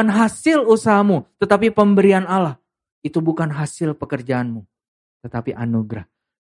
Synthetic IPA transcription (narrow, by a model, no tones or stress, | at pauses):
anɦasɪlusaɦamut̪ət̪apipəmbəɾianalah | it̪ubukanɦasɪlpəkərd͡ʒaːnmu | t̪ət̪apiʔa̰nuɡɾah